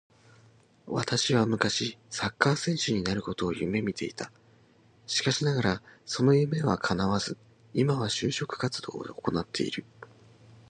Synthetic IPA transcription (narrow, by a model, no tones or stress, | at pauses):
βa̰t̪aɕiβamɯ̟kaɕisakːaːsẽ̞ɰ̃ɕɨɲ̟inaɾɯ̟ko̞t̪o̞ːjɯ̟me̞mʲit̪ʰe̞it̪a | ɕi̥kaɕinaɡaɾaso̞no̞jɯ̟me̞βa̰kʰanaβazɨ | imaβaɕɨːɕo̞kɯ̟̥kat͡sɨd̪̥o̞̰ːeoko̞nat̪ʰːe̞ḭɾɯ̟